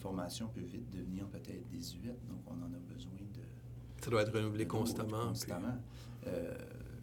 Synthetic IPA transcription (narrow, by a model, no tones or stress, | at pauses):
fɔʁmasjɔ̃pøvɪt̪̚d̪əvniːʁpøt̪ɛːt̪χəd̪ezyɛt̪̚d̪ɔ̃kɔ̰̃nɑ̃ːnɔbəzwɛ̃d̪ə | sad̪waɛt̪ʁənuvlekɔ̃stt̪amɑ̃st̪amã | ø̰